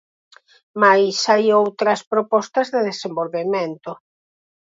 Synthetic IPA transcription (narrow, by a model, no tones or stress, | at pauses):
majsajowt̪ɾɐspɾopɔst̪ɐzðeðesembolβemẽnt̪o